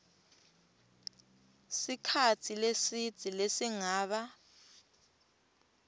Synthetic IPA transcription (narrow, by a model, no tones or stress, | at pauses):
sikʰatʰilesitʼilesiŋaːɓa